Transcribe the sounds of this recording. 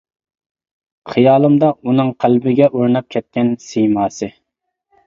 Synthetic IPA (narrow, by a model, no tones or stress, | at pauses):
χʰɨjɑːlˠɨmd̪ɑunɨŋqʰælbɪɡʲɛʔoɾnɑp̚kʲʰɛt̪̚kʲɛnsijmɑːsɨ